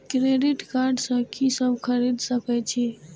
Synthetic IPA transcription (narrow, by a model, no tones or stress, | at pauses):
kɾeɖiʈkaɾɖsə̃kisəbʱkʰəɾid̪səkɛt͡ʃʰi